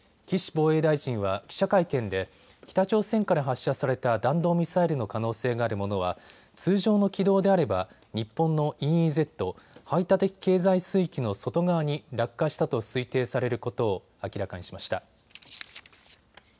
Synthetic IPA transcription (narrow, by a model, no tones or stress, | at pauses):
kʲiɕi̥bo̞ːe̞ːd̪aiʑĩɰ̃βakʲi̥ɕakaikẽ̞nd̪e̞ | kʲi̥t̪at͡ɕo̞ːsẽ̞ŋkaɾaɦaɕːasaɾe̞t̪ad̪ãnd̪o̞ːmʲisaiɾɯ̟no̞kano̞ːse̞ːɡaːɾɯ̟mo̞no̞β̞a̰ | t͡sɨːʑo̞ːno̞kʲid̪o̞ːd̪e̞aɾe̞ba | ɲ̟ipːõ̞nːo̞ʔĩize̞t̪ːo̞hait̪at̪e̞kʲi̥ke̞ːzaisɨːikʲino̞so̞t̪o̞ɡaβaɲ̟iɾakːaɕi̥t̪at̪o̞sɨit̪e̞ːsaɾe̞ɾɯ̟ko̞t̪o̞ː | akʲiɾakaɲ̟iɕimaɕi̥t̪a